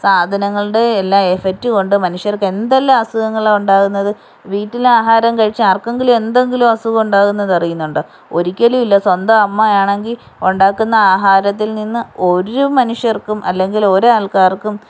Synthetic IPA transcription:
saːd̪ʱɐnɐŋːɐɭɨɽe̞ːlːaːefek̚tːɨko̞ɳɖɨmɐnuʂjɐrkːe̞nd̪ɐlːɐaːsɐɣɐŋːɐɭauɳɖaːɣunːɐðɨ | ʋiːtːilaːɦaːɾɐmkɐɻit͡ɕːaːrkeŋɡilume̞nd̪e̞ŋɡilumɐsuɣɐuɳɖaːɣunːɐðɐrijunːuɳɖɨ | o̞ɾikʲːɐlijilːɐswɐnd̪ɐɐmːɐjaːɳe̞ŋɡil | uɳɖaːkːunːɐaːɦaːɾɐt̪̬ːilninːɨo̞ɾumɐnuʂjɐrkːumʔɐ̰lːe̞ŋɡilo̞ɾuaːlkaːrkːum

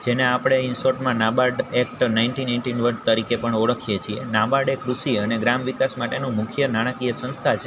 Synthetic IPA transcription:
d͡ʒeneapɽ̃eɪnsoʈmãnabaɖekʈnainʈinaɪɳʈinʋəɾɖt̪əɾikepəɳɔɽəkʰijet͡ʃʰienabaɖekɾusiəneɡɾamʋikasmaʈenũmʊkʰjənaɽ̃əkiesə̃nst̪ʰat͡ʃʰe

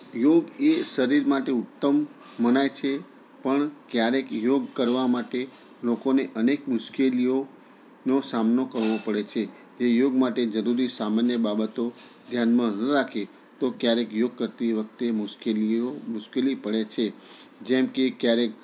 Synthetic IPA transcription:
joɡeʃəɾiɾmaʈeʊt̪ːəmː | ənajt͡ʃʰe | pəɳkjaɾekjoɡkəɾʋamaʈe | lokoneʔənekmʊʃkelijo | nosamnokəɾʋopəɽet͡ʃʰe | d͡ʒejoɡmaʈed͡ʒəɾuɾisamanjəbabət̪o | d̪ʱjanmãnəɾakʰe | t̪okjaɾekjoɡ̚kəɾt̪iʋək̚ʰt̪emʊʃkeliomʊʃkelipəɭet͡ʃʰe | d͡ʒɛmkekjaɾek̚

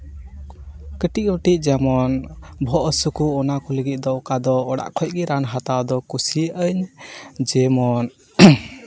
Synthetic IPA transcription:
kəʈiʔ̚əʈic̚ˀd͡ʒamɔnbʱɔʔəsukuːnakɔləɡit̪̚ˀd̪ɔʔkad̪ɔːɽa̰ʔkʰɔc̚ˀɡiɾanɦat̪ad̪ɔkusiʔəɲd͡ʒɛmɔn

